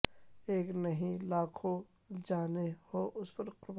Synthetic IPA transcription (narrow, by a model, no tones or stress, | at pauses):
eːknɐɦĩlaːkʰo | d͡ʒaːnehoːʔʊspɐɾqɾʊb